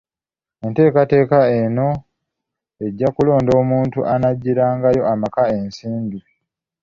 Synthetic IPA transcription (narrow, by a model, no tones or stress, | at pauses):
e̞nte̞ːkate̞ːkae̞no̞ | e̞ɟːakulo̞ːndo̞ːmuːntuʔanaɟːiɾaːŋɡajo̞amakae̞nsiːmbi